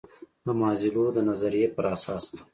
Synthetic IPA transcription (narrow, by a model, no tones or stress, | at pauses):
d̪əmɑːzilod̪ənazaɾijepəɾɑsɑːst̪ḁ